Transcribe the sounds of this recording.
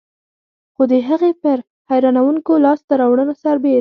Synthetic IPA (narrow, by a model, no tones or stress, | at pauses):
xod̪əɦəɣepəɾ | hajɾɑnawuŋkolɑst̪aɾɑwɽənosaɾbe